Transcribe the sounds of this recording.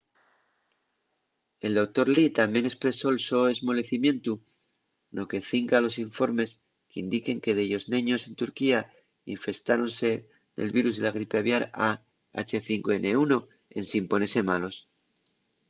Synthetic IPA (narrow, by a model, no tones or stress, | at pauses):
e̞ld̪o̞k̚t̪o̞ɾlit̪ambje̞ŋe̞kspɾe̞so̞elso̞e̞zmo̞le̞θimjẽ̞nt̪u | nʔo̞ke̞θiŋkalo̞siɱfo̞ɾme̞s | keind̪ike̞ŋke̞ðeʝo̞znẽɲo̞se̞nt̪uɾkia | iɱfe̞st̪aɾo̞nse̞ | d̪e̞̰lβiɾuzðelaɣ̞ɾipeaβjaɾa | a̰t͡ʃe̞θiŋkoe̞nʔe̞uno̞ | e̞̰nsimpo̞nese̞malo̞s